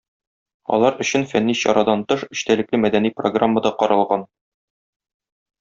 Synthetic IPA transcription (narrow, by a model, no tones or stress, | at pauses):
ɒ̰lˠɑɾɵ̆ɕɘnfænːiɕɒ̰ɾɑd̪ɑnt̪ɤʃɵ̆ɕt̪ælɘ̆klɘmæd̪ænipro̰ɡramːəd̪ɑqɒɾɑlˠʁɑn